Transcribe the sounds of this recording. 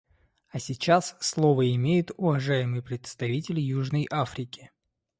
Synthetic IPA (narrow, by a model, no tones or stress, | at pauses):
ɐsʲɪt͡ɕasːlˠovəɪmʲejʊt̪ʊvɐʐajɪmɨjpɾʲɪt̪st̪ɐvʲitʲɪlʲɪjuʐnəjʔafɾʲɪkʲɪ̥